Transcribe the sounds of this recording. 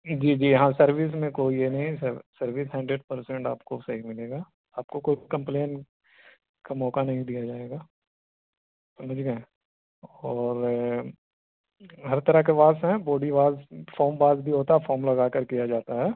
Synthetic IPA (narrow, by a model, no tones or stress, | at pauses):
d͡ʒiːd͡ʒiːjɦãsɐɾʋɪs̬mẽkoːienɐɦĩssɐɾʋɪsɦɛ̃ːɳɖɾeːɖ̚pɐɾsɛ̃ɳʈa̰ːpkosɐɦimɪleːɡaː | aːp̚kokoːikɐ̃mpleːn | kamɔːkanɐɦĩd̪ijad͡ʒaːeːɡaː | sɐməd͡ʒɡɛ̃ː | ɔːɾ | ɦɐɾt̪ɐɾəkeʋaːsɦɛ̃boːɖiʋaːzfoːmbaːzbʱiɦoːt̪aɦɛfoːmlɐɡaːkəɾkijad͡ʒaːt̪aɦɛː